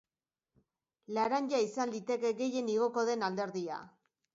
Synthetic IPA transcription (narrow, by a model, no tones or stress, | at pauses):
laɾaɲɟaisand̪it̪e̞keɡe̞je̞niɣ̞o̞ko̞ð̞e̞nald̪e̞ɾðia̰